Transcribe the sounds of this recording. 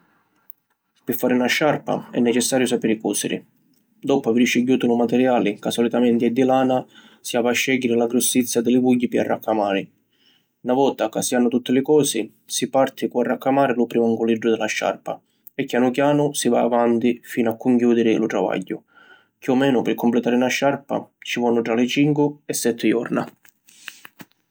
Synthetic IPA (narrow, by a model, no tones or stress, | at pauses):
pɪfːaːɾɪunaʃːarpa̰ɛ̰nːɛt͡ʃɛsːaːɾjʊsapɛɾɪkɔːsɪ̰ɾɪ̰ | d̪ɔpʊaviɾt͡ʃɪɟjuːt̪ʊlʊmat̪ɛɾjaːlɪkasːɔlit̪amɛnt̪iɛd̪ːilaːna | siavaʃːɛɟːɪɾɪlaɡɾusːit̪sːjad̪ɪlɪvuɟːipɪa̰rːʔakʰːamaːɾɪ | navɔt̪akasːianːʊt̪ut̪ːɪlɪkɔːsi | sipart̪ʰɪkuarːakːamaːɾɪlʊpɾimaŋɡuliɖɾʊd̪ɪlaʃːa̰rpa̰ | ɛkːjanʊkjaːnʊsivaːvant̪ifiːnʊakːʊŋkjuːd̪ɪɾɪlʊt̪ɾava̰ɟːʊ | kiɔmɛːnʊpɪrkːʊmplɪt̪aːɾɪnaʃːaɾpa̰t͡ʃivɔnːʊt̪ɾalɪt͡ʃiŋkwʊɛsːɛt̪ʰːɪjɔ̰ɾna̰